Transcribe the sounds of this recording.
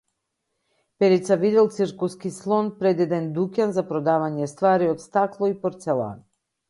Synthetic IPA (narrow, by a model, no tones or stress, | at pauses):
pɛɾit̪savid̪ɛlˠt̪sɨɾkuskislˠɔnpɾɛd̪ɛd̪ɛnd̪ukʲanzapɾɔd̪avaɲɛst̪vaɾiɔt̪st̪aklˠɔipɔɾt̪sɛlˠa̰n